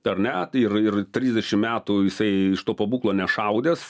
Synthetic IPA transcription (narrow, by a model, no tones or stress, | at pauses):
ɐɾnʲɛɪrɪrt̪ʲɾʲiːzʲd̪ʲɛʃʲɪmmʲæːt̪ʊjɪsɐɪɪʃt̪oːpɐbuːklˠoːnʲɛʃɐʊd̪ʲes